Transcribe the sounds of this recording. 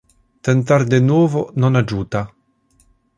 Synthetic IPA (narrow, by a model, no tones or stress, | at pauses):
t̪ent̪̬ard̪enwɔːvononad͡ʒuːt̪a